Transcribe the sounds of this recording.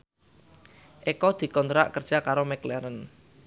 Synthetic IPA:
ʔekɔd̪̥i̤kɔnt̪ɾa̰ʔkərd̥ʒ̥a̤kaɾomɛklɛɾən

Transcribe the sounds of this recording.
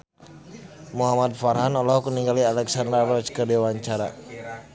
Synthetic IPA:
muɦamat̪̚faɾɦanɔlɔɦkuniŋɡalialɛksand̪ɾarɔt͡ʃkədɛwaɲt͡ʃaɾa

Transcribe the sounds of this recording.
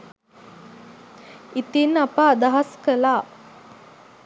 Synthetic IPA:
it̪inːapaːd̪aɦaskəlaː

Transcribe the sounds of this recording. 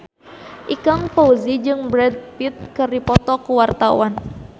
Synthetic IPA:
ʔikaŋpouzid͡ʒɨŋbɾɛd̪̚pit̪̚kɨrdipɔt̪ɔkuwart̪awan

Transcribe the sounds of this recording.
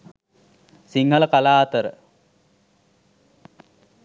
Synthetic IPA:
siŋɦələkalaːt̪əɾə̰

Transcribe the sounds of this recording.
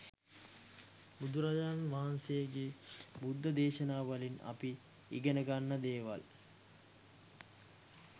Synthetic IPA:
bud̪uɾad͡ʒaːnʋaɦansejeɡebud̪ːəd̪eːʃənaːʋɐlina̰pi | ḭɡənəɡanːəd̪eːʋa̰l

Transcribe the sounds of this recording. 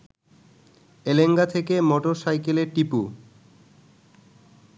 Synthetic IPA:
eleŋɡat̪ʰekemɔʈoɾsajkeleɾʈipu

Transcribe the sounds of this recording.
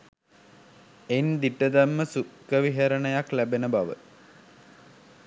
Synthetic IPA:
end̪iʈəd̪æmːəsukːəʋiɦɐɾənəjaklæbenəbaʋə̰

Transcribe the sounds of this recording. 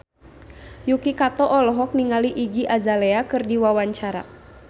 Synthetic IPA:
jukikat̪ɔʔɔlɔɦɔk̚niŋaliʔiɡiʔazaleakɨrdiwawaɲt͡ʃaɾa̰

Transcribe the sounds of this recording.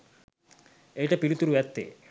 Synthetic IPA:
ejʈɐpilut̪uɾuɛt̪ːḛ

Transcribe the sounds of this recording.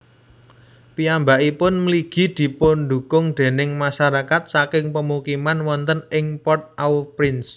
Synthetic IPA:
piambaʔipʊnmliɡ̥i̤d̪̥i̤pʊnɖṳkʊŋd̪̥e̤nɪŋmaʃaɾakat̪̚sakɪŋpəmukimanwɔnt̪ənɪŋpɔrt̪̚ʔawpɾɪns

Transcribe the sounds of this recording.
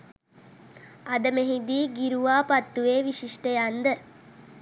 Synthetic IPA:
ɐd̪əmeɦid̪iːɡiɾuʋaːpɐt̪ːuʋeːʋiʃiʂʈəjand̪ə

